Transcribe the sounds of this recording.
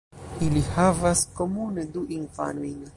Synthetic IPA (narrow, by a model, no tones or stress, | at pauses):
ilihavaskomuned̪uʔinfa̰nujn